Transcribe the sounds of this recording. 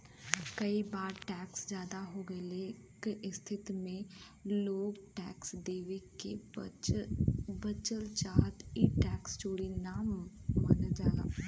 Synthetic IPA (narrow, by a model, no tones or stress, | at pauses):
kɐibaːɾʈɛːksd͡ʒjaːd̪aɦoɡɐle | keʔɪst̪ʰɪt̪mẽ | loːɡʈɛːksd̪eːʋike | bət͡ʃəlt͡ʃaːɦt̪iʈɛːkst͡ʃoːɽinaːmːənəd͡ʒaːɡa̰ː